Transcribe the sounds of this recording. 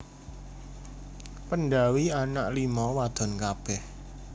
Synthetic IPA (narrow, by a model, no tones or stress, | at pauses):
pənɖawianaʔlimɔwad̪̥ɔ̤nkab̥ɛh